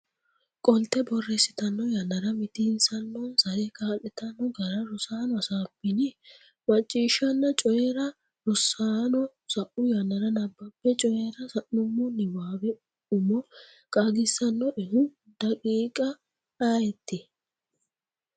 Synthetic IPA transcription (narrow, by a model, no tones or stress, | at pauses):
kʼɔlt̪ːɛbɔrːɛsɪt̪ɐnːɔjɐnːɐɾɐmɪt̪ɪnsɐnːɔsɐɾɛkʼaːlɛt̪ɐnːɔɡɐɾɐɾɔsaːnɔɐsaːpːɪnɪ | mɐt͡ʃʼːiːʃːɐnːɐt͡ʃʼɔjɛɾɐ | ɾɔsaːnɔ | sɐʔʊjɐnːɐɾɐnɐbːɐpːɛt͡ʃʼɔjɛɾɐsɐnːʊmːɔnɪwaːbɛ | ʊmɔ | kʼaɡɪsːɐnːɔʔɛhʊ | d̪̥ɐkʼiːkʼɐ | aːjɛt̪ːɪ